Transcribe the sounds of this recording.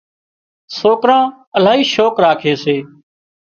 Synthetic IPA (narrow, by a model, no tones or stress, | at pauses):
soːkɾãː | əl̤aːɦiːʃoːkɾaːkʰeːseː